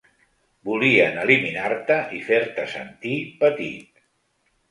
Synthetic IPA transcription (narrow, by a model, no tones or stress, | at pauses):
buliənəliminaɾt̪əʔifeɾt̪əsə̰nt̪ipət̪ḭt̪